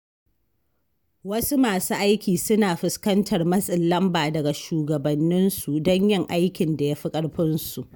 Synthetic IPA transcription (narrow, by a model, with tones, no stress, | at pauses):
wɐ˦su˦maː˨su˦ʔa˦jkʲiː˨sʊ˦naː˨ɸɪ˨skɐ˦ntʰɐ˨rmɐ˦sʼɪ˨lːɐ˦mbaː˨dɐ˨ɡa˨ʃuː˨ɡɐ˨bɐ˨nːɪ˦nsu˨dɔ˦ɲjɪ˦ŋʔa˦jkʲɪ˨nda˨ja˦ɸi˦kʼɐ˦ɽɸɪ˦nsu˨ʔ